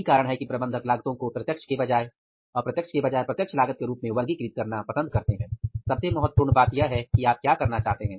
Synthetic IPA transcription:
ikaːɾəɽɦɛkipɾɐbə̃nd̪ʱəklaːɡt̪õkopɾɐt̪jəkʃkebɐd͡ʒaːe | ɔːɾpɾɐt̪jəkʃkebɐd͡ʒaːepɾɐt̪jəkʃʰlaːɡət̪̚keɾuːpmẽʋɐɾɡikɾiːt̪̚kɐɾnapɐsə̃nd̪̚kɐɾt̪eɦɛ̃ːsɐbsebɐɦʊt̪̚puɾɳbaːt̪jaɦɛkiaːp̚kjaːkɐɾnat͡ʃaːɦt̪eɦɛ̃ː

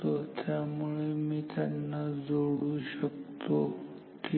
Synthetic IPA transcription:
ot̪ʰjamuɭemiːt̪ʰjanːad͡zoɽuɕək̚t̪o | ki

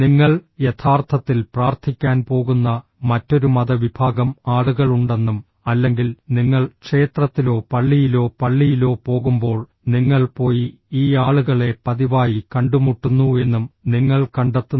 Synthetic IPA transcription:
niŋːɐɭje̞t̪ʰaːrt̪ʰɐt̪ːilpraːrt̪ʰikʲːaːnpo̞ːɣunːɐ | mɐtːo̞ɾumɐðɐʋibʱaːɡɐmaːɭuɣɐɭuɳɖe̞nːum | ɐlːe̞ŋɡilniŋːɐɭkʂe̞ːt̪rɐt̪ːilo̞ːpɐɭːijilo̞ːpɐɭːijilo̞ːpo̞ːɣumbo̞ːɭ | niŋːɐɭpo̞ːji | iːaːɭuɣɐɭe̞pɐðiʋaːjikɐɳɖumuʈːunːue̞nːumniŋːɐɭkɐɳɖɐt̪ːu

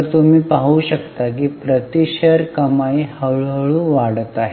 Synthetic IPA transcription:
ɾt̪um̤iːpaɦuːɕəkt̪ak̬iːpɾət̪iɕəɾkəmaihəɭɦəɭũːʋaɽət̪aɦe

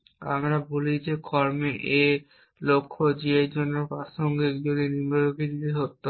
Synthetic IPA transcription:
a̰mɾabolid͡ʑekɔɾmeʔe | lokʰːod͡ʑieɾd͡ʑonːoɾpɾaʃoŋɡikd͡ʑod̪inimɾoɾukʰid̪id̪iɦot̪ːo

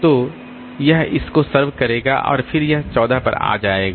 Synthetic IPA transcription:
t̪o | jɐɦɪskosɐɾʋkɐɾeːɡa̰ʔɔ̰ːɾfʰɪɾjɐɦt͡ʃɔːd̪ʱapɐ̰ɾa̰ːd͡ʒaːeːɡaː

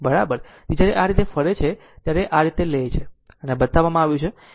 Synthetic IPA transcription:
bəɾabəɾd͡ʒjaɾeʔaɾit̪efəɾet͡ʃʰe | t̪jaɾeʔaɾit̪elet͡ʃʰe | ənebət̪aʋːamãaʋjũt͡ʃʰe

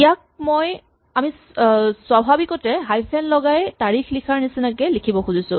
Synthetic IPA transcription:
ijak̚moj | ami | swabʱabikɔtɛɦajpʰɛnlɔɡajtaɹixlikʰaɹnisinakɛlikʰibɔxuzisʊ̰̃

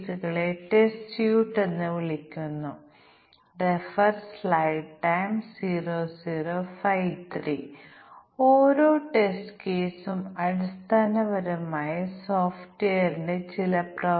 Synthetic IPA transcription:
suɣɐɭe̞ʈestjuːʈːe̞nːɨʋiɭikʲːunːu | refɐrslɐjʈːɐjmsiːroːsiːroːfɐjʋt̪ʰriː | oːɾo̞ːʈe̞sʈkeːsumɐɾust̪ʰaːnɐʋɐɾɐmaːjɐsoːfʈʋeːjɐɾinde̞t͡ɕilɐprɐ

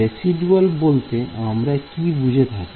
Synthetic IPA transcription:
esiɖualbolt̪eamɾakibud͡ʑʱet̪ʰat̪

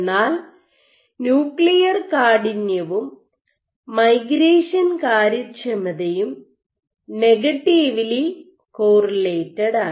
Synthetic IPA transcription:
nːaːl | njuːklijɐrkaːɽinjɐʋumː | ɐjɡɾeːʂɐnkaːɾɐt͡ɕːɐmɐðɐjum | neɡɐʈːiʋili | koːrɐleːtːɐɽaː

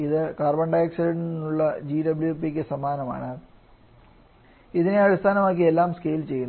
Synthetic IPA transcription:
iðɨkaːrbɐɳɖaːjɐksiɾɐɳɖinːuɭːɐd͡ʑiːɖɐbljuepːikʲːesɐmaːnɐma̰ːɳɨ | iðine̞ɐɽist̪ʰaːnɐmaːk̬ːie̞lːaːmske̞jilt͡ɕe̞jːunː

